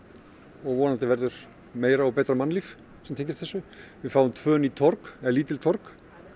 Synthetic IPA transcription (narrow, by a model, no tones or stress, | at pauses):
ɔɣvɔːnant̪ɪvɛɾðʏɾ̥ | meːjɾaɔpɛːt̪ɾamanliːf | sɛmt̪ʰejɲcɪst̪θɛsːʏvɪðfaːwʏmt̪ʰvœːnit̪ʰɔɾkɛliːt̪ɪlt̪ʰɔɾk